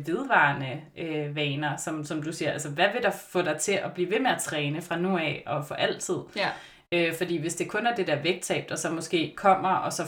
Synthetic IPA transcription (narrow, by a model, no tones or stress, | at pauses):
ʋe̝ð̞ˠʋɑ̈ːnəʔøʋɛːnɐsɒ̽msɒ̽md̥usiɐæls̬əʋæʋe̝d̥ɑfɔ̰̽ːɾ̥ɑ̈ɪt͡sʰe̝ʔɒ̽b̥liːʋe̝meæt͡sʰʁɛːnəfʁɑ̈nuɛɒ̽fɒ̽ʔæl̰t͡sʰið̞̰ˠ | øfɒ̽d̥ḭːʋe̝sd̥e̝kʰɔ̽næɐd̥e̝d̥æɐʋeɡ̥̚t͡sʰɛ̰ːb̥d̥ɒsɒ̽mɒ̽sɡ̥e̝̰ːkʰɒ̽m̰ɐʔɒ̽sɒ̽